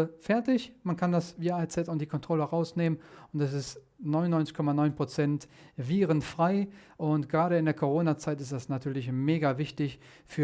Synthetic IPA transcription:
fɛɐtɪçmankʰandasviːat͡sɛtʊntd̥iːkʰɔntʁ̥ɔləʁaʊsneːmənʊntɛs̬ɪst | nɔʏnʊnːɔʏnt͡sɪçkʰɔmanɔʏnpʁ̥ot͡sɛntviːʁənfʁ̥aɪʔʊntɡ̥əʁaːɾəɪndeːɐkʰoʁ̞oːnat͡saɪtɪstd̥asnatʰyːɐlɪçmeːɡavɪçtɪç | fyːɐ

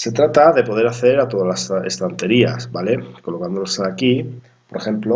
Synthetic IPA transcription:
se̞t̪ɾat̪aðe̞po̞ð̞e̞ɾaθe̞ɾat̪o̞ðalasḛst̪ant̪e̞ɾia̰sbale̞ko̞lo̞kand̪olasaki | po̞ɾexe̞mplo

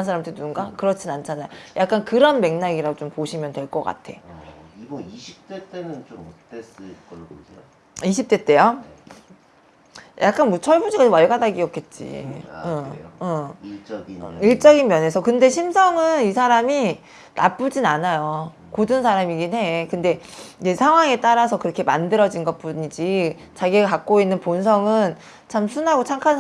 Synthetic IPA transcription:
ns̬ʰaɾamt͈ʰɯnunɡakɯɾʌt͡ɕʰinant͡ɕʰanajojʔak͈̚ankɯɾʌnme̞ŋnaɡiɾadot͡ɕompoɕʰimjʌntwe̞ɭk͈ʌk͈a̰tʰe̞ | iip̚tetnɯn | eskʌ | iɕ̬ʰip̚t͈e̞t͈e̞jo | jʔak͈̚anmot͡ɕʰʌɭbud͡ʑiɡaomwaɭɡadaɡiʌk͈ʰe̞t̚t͡ɕ͈ḭɯɯ | iɭt͡ɕ͈ʌɡinmjʌne̞sʰʌkɯnde̞ɕʰimsʰʌŋɯnisʰaɾami | na̰p͈ud͡ʑinanajo | kodɯnsʰaɾamiɡinɦe̞kɯnde̞id͡ʑe̞sʰaŋwaŋe̞t͈aɾasʰʌkɯɾʌkʰe̞mandɯɾʌd͡ʑinɡʌt̚p͈uɲid͡ʑi | t͡ɕaɡiekak̚k͈oinːɯnpons̬ʰʌŋɯn | t͡ɕʰamsʰunɦaɡot͡ɕʰaŋkʰan

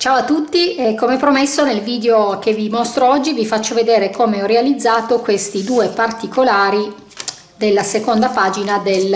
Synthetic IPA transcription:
t͡ʃaːoat̪ːut̪ːiekomeɛpːɾomesːonelviːd̪eok̟evimɔst̪ɾoɔd͡ʒːivifat͡ʃːoved̪eːɾekomeɔrealid̪zːaːt̪okwest̪id̪uːepart̪ikolaːɾi | d̪elːasekond̪apaːd͡ʒinad̪el

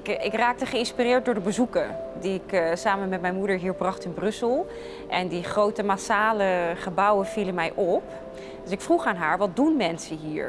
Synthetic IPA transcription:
kɪkraːk̚təχəɪnspirɪːɹt̚dʊːɹdəbəzukədiɪksaːmənmɛtmɛjnmudəɹɦiːɹbrɑχtɪnbrɵsəlˠ | ʔɛndiχrowtəmasaːləχəbʌwənv̥ilənmɛjʔɔp | døsɪkfruχaːnɦaːɹʋɑt̚dunmɛnsəɦiːɹ

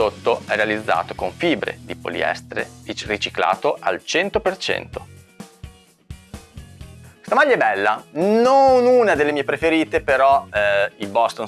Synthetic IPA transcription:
ot̪ːoɛrealid̪zːa̰ːt̪okoɱfiːbɾḛd̪ipo̰lḭɛ̰st̪ɾḛirit͡ʃikla̰ːt̪oʔa̰lt͡ʃɛnt̪opert͡ʃɛ̰nt̪o | st̪amaʎːaɛbɛlːanonuːnad̪elːemiːepɾefeɾiːt̪epeɾɔilbɔst̪on

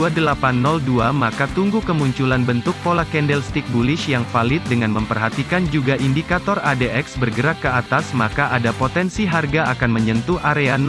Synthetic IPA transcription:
adəlapanːɔlduamakat̪uŋɡukəmuɲt͡ʃulanbənt̪ʊk̚polakɛndɛlst̪ik̚bulɪʃjaŋfalɪt̪̚dəŋanməmpərɦat̪ikand͡ʒuɡaʔindikat̪ɔradeʔɛksbərɡəɾakkːəat̪asmakaʔadapot̪ɛnsiɦarɡaakanməɲənt̪uʔaɾean

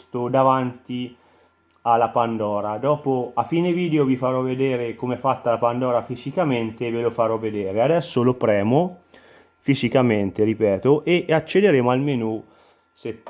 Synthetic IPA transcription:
st̪od̪avant̪i | alːapand̪ɔːɾad̪ɔːpoafiːneviːd̪eovifaɾɔvːed̪eːɾekomeɛfat̪ːalapand̪ɔːɾafizikament̪evelofaɾɔvːed̪eːɾead̪ɛsːolopɾɛːmo | fizikament̪eɾipɛːt̪oʔeʔat͡ʃːed̪eɾeːmoalmenu | se

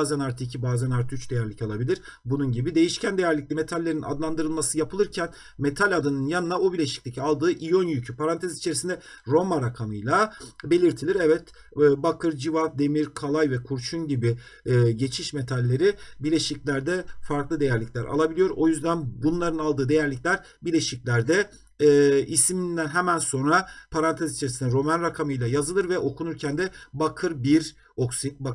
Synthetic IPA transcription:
zænaɾt̪ʰicʰibaːzænaɾt̪ʰyt͡ʃd̪e̞jæɾlʲicʰalˠabilʲiɾ̥ | bununɟibid̪e̞jiʃcʰænd̪e̞jæɾlʲic̚lʲime̞t̪ʰalʲːe̞ɾina̰d̪lˠand̪ɯɾɯlˠmasɯjapʰɯlˠɯɾcʰæn | me̞t̪ʰalʲad̪ɯnɯnjanɯnaobiɾlʲeʃi̥c̚lʲicʰalˠd̪ɯːʔijonjycʰypʰaɾant̪ʰezit͡ʃʰe̞ɾisind̪ɛɾo̞maɾakʰamɯjlˠabe̞lʲiɾt̪ʰilʲiɾɛvɛt̪ː | bakʰɯɾd͡ʒivad̪e̞miɾkʰalˠajvɛkʰuɾt͡ʃʰunɟibiː | ɟe̞t͡ʃʰiʃme̞t̪ʰalʲːe̞ɾibiɾlʲe̞ʃiclʲæɾd̪ɛfaɾklˠɯd̪e̞jæɾlʲicʲlʲæɾa̰lˠabilʲijo̞ɾo̞jyzd̪ænbunlˠaɾɯnalˠd̪ɯːd̪e̞jæɾlʲicʲlʲæɾ | biɾlʲeʃiclʲæɾd̪ɛː | ismind̪ænɦɛmænso̞nɾapʰaɾant̪ʰezit͡ʃʰeɾisind̪ɛɾo̞manɾakʰamɯjlˠajazɯlˠɯɾvɛʔo̞kʰunuɾcʰænd̪ɛbakʰɯɾbiɾ | o̞ksit̪̚ba

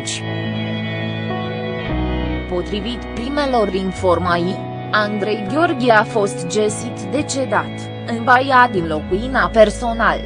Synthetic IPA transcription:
t͡ʃʲ | po̞t̪ɾivit̪pɾime̞lo̞rinfo̞rmaji | and̪ɾe̞jɡʲjo̞rɡʲieafo̞st̪d͡ʒesit̪d̪e̞t͡ʃe̞d̪at̪ | ɨnbajad̪inlo̞kuinape̞rso̞nal

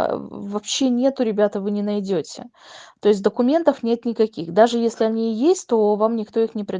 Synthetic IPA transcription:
vɐpɕːe̞nʲe̞t̪ʊɾʲɪbʲat̪əvɨnʲɪnɐjdʲotʲɪ̰ | t̪o̞ɪs̬ʲt̪ʲd̪əkʊmʲe̞nt̪əfnʲe̞t̪nʲɪkɐkʲixd̪aʐɨjesʲlʲɪɐnʲijesʲtʲt̪o̞vamnʲɪkt̪o̞ixnʲɪpɾʲɪ

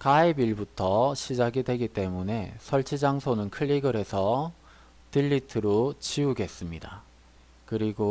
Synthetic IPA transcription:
kaibiɭbutʰʌɕʰid͡ʑaɡidwe̞ɡit͈e̞mune̞sʰʌɭt͡ɕʰid͡ʑaŋsʰonɯnkʰɯɭːiɡɯɾe̞sʰʌ | tiʎːitʰɯɾot͡ɕiuɡe̞s͈ɯmɲida | kɯɾiɡo

